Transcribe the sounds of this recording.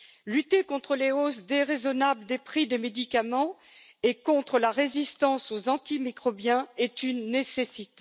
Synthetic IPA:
lyt̪ekɔ̃t̪χəleosd̪eʁezɔnabld̪epχid̪emed̪ikamɑ̃ | ekɔ̃t̪χəlaʁezist̪ɑ̃sozɑ̃t̪imikχɔbjɛ̃ɛt̪ynːesesit̪

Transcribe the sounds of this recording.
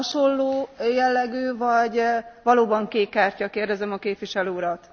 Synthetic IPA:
ɒʃo̞lːoːjɛlːɛɡøːvɒɟvɒloːbɒŋkeːkːaːrcɒkeːrd̪ɛzɛmɒkeːpʋiʃɛløːuɾɒt̪

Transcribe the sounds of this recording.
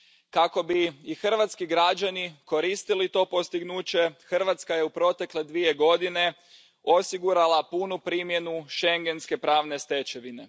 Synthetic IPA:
kako̞biːxr̩ʋat̪skiɡɾad͡ʑaniko̞ɾist̪ilit̪o̞ːpo̞st̪iɡnuːt͡ɕe̞xr̩ʋat̪skaje̞upɾo̞t̪e̞kle̞d̪ʋie̞ɡo̞d̪ine̞ | osiɡuɾalˠapunupɾiːmje̞nuʃe̞ŋɡe̞nske̞pɾaːʋne̞st̪e̞t͡ɕe̞ʋine̞

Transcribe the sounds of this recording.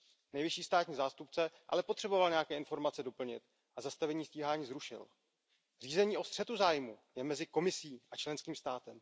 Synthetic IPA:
nɛjvɪʃiːst̪aːt̪ɲiːzaːst̪up̚t͡sɛʔa̰lɛpo̞t̪r̝̥ɛbo̞valɲɛjakɛːʔɪnfo̞ɾmat͡sɛdo̞pl̩ɲɪ̰t̪ | ʔazast̪avɛɲiːsciːɦaːɲiːzɾuʃɪ̰l | r̥iːzɛɲiːʔo̞st̪r̥ɛt̪uzaːjmujɛmɛzɪko̞mɪsiːʔat͡ʃlɛnskiːmst̪aːt̪ɛm

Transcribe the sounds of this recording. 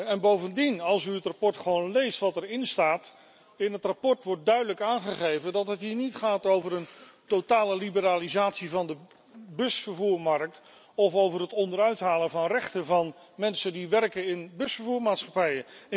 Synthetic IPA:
ɛnbowvəndinɑlˠsyətrapɔɹtχəʋownlejstʋɑtɛrɪnstaːt | ɪnɦətrapɔɹtʋɔɹt̚dœɥdələkaːnχəχejvədɑtɦətɦiːɹnitχaːtowvəɾəntotaːləlibəɾaːlizaːtsivɑndə | bɵsfəɹvuːɹmɑrk̚t | ɔfowvərɦətɔndəɾœɥtɦaːlənvɑnrɛχtəvɑn | mɛnsəndiʋɛrkənɪnbɵsfəɹvuːɹmaːtsχɑpɛjə

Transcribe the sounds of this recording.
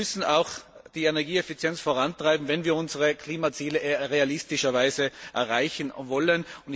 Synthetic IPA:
ʏsn̩aʊxd̥iːenɛɐɡiːɛfit͡sjɛnt͡sfoːʁantʁ̥aɪbm̩vɛnviːɐʊnzəʁəkʰl̥iːmat͡siːləʁealɪstɪʃɐvaɪzəʔɛ̰ɐʁaɪçn̩vɔlənʊnt

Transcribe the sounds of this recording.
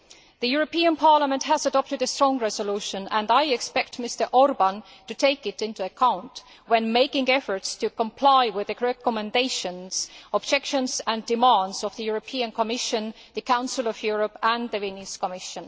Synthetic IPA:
ðɨjuɹopĩə̃npʰɑɹləmə̃ntɦæzədɔp̚tɨdɨstɹ̥ɔ̃ŋɹɛzoluʃə̃næ̃ndaɪɛkspɛk̚tmɪstə˞ʔɔɹbə̃n | tutʰeɪkɪtɪ̃ntuəkʰãʊ̃nt | wɛ̃nmeɪkɪ̃ŋɛfə˞tstʰɨkə̃mpʰl̥aɪwɪðɨɹɛkəmɛ̃ndeɪʃə̃nsɔbd͡ʒɛkʃə̃nsæ̃ndɨmãndzɔvðɨjuɹopʰiə̃nkʰəmɪʃɨ̃n | ðɨkʰãʊ̃nsɪlˠɔvjuɹəpæ̃nðɨviniskəmɪʃə̃n

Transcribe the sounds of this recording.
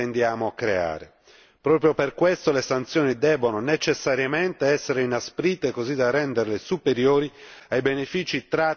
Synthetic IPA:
end̪jaːmoakːɾea̰ːɾe | pɾɔːpɾjoperkwest̪olesant̪sjɔːnid̪ɛbːononet͡ʃesːaɾjament̪eɛsːeɾeinaspɾiːt̪ːekozid̪arːɛnd̪eɾlesupeɾjoːɾiajbenefiːt͡ʃit̪ɾa

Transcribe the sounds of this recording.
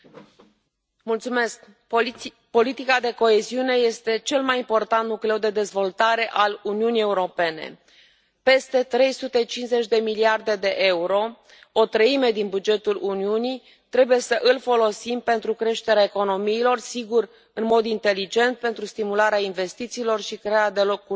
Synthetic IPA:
mult̪sume̞sk | po̞lit̪ikad̪e̞ko̞e̞ziune̞je̞st̪e̞t͡ʃe̞lmajimpo̞rt̪ant̪nukleud̪e̞d̪e̞zvo̞lt̪aɾe̞ʔaluniunije̞uɾo̞pe̞ne̞̰ | pe̞st̪e̞t̪ɾe̞jsut̪e̞t͡ʃinze̞t͡ʃʲd̪e̞miliard̪e̞d̪e̞ʔe̞uɾo̞ | ot̪ɾəime̞d̪inbud͡ʒe̞t̪uluniuni | t̪ɾe̞buje̞səʔɨlfo̞lo̞simpe̞nt̪ɾukɾe̞ʃt̪e̞ɾeaeko̞no̞miːlo̞rsiɡur | ɨnmo̞d̪int̪e̞lid͡ʒe̞nt̪̚pe̞nt̪ɾust̪imulaɾeainve̞st̪it̪siːlo̞rʃikɾeaad̪e̞lo̞kːu

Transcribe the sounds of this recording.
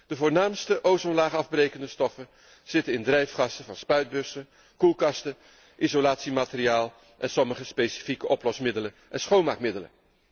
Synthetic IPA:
d̥əvʊːɹnaːmstəʔowsɔnlaːχɑvbrejkəndəstɔfən | z̥ɪtənɪndrɛjfχɑstəvɑnspœɥd̚bɵsə | kulˠkɑstə | ʔizolaːtsimaːtɪriaːlˠ | ʔɛnsɔməχəspejsi̥fikəʔɔplɔsmɪdələnʔɛnsχownmaːkmɪdələ̰n

